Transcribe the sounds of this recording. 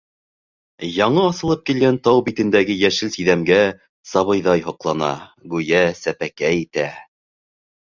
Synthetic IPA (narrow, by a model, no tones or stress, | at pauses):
jɑɴɤɑsɤ̆lˠɤp̚kilɡænt̪ɑwbit̪ɘ̆nd̪æɡɘjæʃɘlsiðæmɡæ | sɑβɤ̆jðɑjɦɤ̆qlˠɑnɑ̰ɡʉjæsæpækæit̪æ